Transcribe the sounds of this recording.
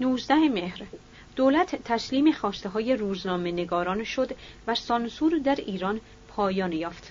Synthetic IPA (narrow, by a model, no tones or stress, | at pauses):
nuːzd̪æhemehɾ | d̪̥oːlæt̪ʰt̪ʰːæsliːmexɒːst̪e̞ɦɒːje̞ɾuːznɒːme̞ne̞ɡɒːɾɒːnʃo̞d̪væsɒnsuːɾd̪æɾiːɾɒn | pʰɒːjɒːnjɒːft̪